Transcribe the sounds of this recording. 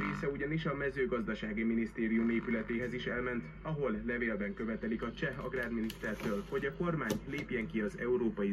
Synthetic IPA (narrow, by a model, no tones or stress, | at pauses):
ɾeːsɛuɟɒniʃɒmɛzøːɡɒzd̪ɒʃaːɡiminist̪eːɾijumeːpylɛt̪eːɦɛziʃɛlmɛnt̪ | ɒɦo̞lːɛveːlbɛŋkø̞vɛt̪ɛlikɒt͡ʃɛɦɒ̰ɡraːd̪minist̪ɛrt̪øːlho̞ɟɒko̞rmaːɲleːpjɛŋkiɒzɛ̰uɾoːpɒji